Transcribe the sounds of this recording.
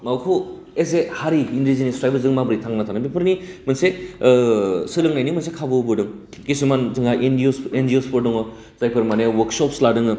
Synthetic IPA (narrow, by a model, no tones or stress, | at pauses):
mawkʰɯ | es̬ehaɾiːndizinespɾajbɯzɯŋmabɯɾitʰaŋnɐtʰanɐbipʰɯɾnimɐnse | sɯɾɯŋnajnimɐnsekʰabɯbɯdɯŋ | ɡisumanzɯŋaʔendiosendiospʰoɾdɔŋɔ | zajpʰɯɾmanewɐɾksɔpsladɯŋɯ